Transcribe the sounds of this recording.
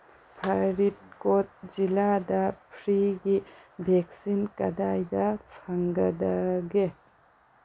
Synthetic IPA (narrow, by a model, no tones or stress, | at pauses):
pʰaɾit̚kot̚d͡ʒiladɐpʰɾiɡibʱɛksinkɐdajdɐpʰaŋɡɐdaɡe